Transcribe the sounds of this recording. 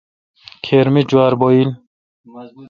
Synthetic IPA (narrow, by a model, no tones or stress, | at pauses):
kʰeɾmid͡ʒuaɾbɔil